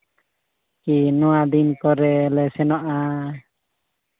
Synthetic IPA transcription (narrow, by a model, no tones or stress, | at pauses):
kinɔwad̪inkɔɾɛlɛsɛnɔʔa